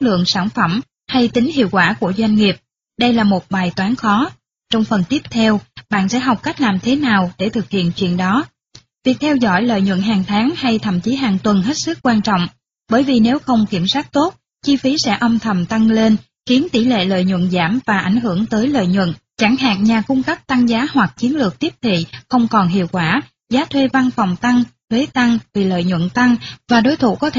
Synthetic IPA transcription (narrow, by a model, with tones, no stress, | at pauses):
t̚lɨ̰˧˨əŋsaː˧˩nfə˧˩m | ha˧jt̪ï˨˦ŋ̟hḭ˧˨əwkwaː˧˩ku˧˩əzwa˧jŋ̟ŋi˨˩əp̚ | ɗə˧jlaː˨˩mo˨˩t̚ɓaː˨˩jt̪waː˨˦nxɔ˨˦ | t͡ɕɔ˧wŋ͡mfə˨˩nt̪i˦˥əp̚t̪ʰɛ˧wɓa̰ː˧˨nsɛ̰˧˥ɦa˨˩wk͡p̚ka˦˥jk̟̚laː˨˩mt̪ʰe˨˦naː˨˩wɗe˧˩t̪ʰɨ˨˩k̚hḭ˧˨ənt͡ɕwḭ˧˨ənɗɔ˨˦ | vi˨˩ək̚t̪ʰɛ˧wzɔ̰˧˩jlə̰ː˧˨jɲwə̰˧˨nɦaː˨˩ŋt̪ʰaː˨˦ŋha˧jt̪ʰə̰˧˨mt͡ɕi˨˦ɦaː˨˩ŋt̪wə˨˩nɦe˦˥t̚sɨ˦˥k̚ːwaː˧nt͡ɕɔ̰˧˨wŋ͡m | ɓəː˧˩jvi˨˩ne˨˦wxə˧wŋ͡mki˧˩əmsaː˦˥k̚t̪o˦˥t̚ | t͡ɕi˧fi˨˦sɛ̰˧˥ʔə˧wŋ͡mt̪ʰə˨˩mt̪a˧ŋle˧n | xi˨˦ənt̪i˧˩lḛ˧˨lə̰ː˧˨jɲwə̰˧˨nzaː˧˩mvaː˨˩ʔa˧˩jŋ̟ɦɨ˧˩əŋt̪əː˨˦jlə̰ː˧˨jɲwə̰˧˨nt͡ɕa˧˩ŋɦa̰ː˨˩ŋɲaː˨˩kʊ˧ŋ͡mkə˦˥p̚t̪a˧ŋzaː˨˦ɦwa˨˩k̚t͡ɕi˨˦ənlɨ˨˩ək̚t̪i˦˥əp̚t̪ʰḭ˧˨xə˧wŋ͡mkɔ˨˩nɦḭ˧˨əwkwaː˧˩ | zaː˨˦t̪ʰwe˧va˧nfɔ˨˩wŋ͡mt̪a˧ŋt̪ʰwe˨˦t̪a˧ŋvi˨˩lə̰ː˧˨jɲwə̰˧˨nt̪a˧ŋvaː˨˩ɗo˨˦jt̪ʰṵ˧˩kɔ˨˦t̪ʰe˧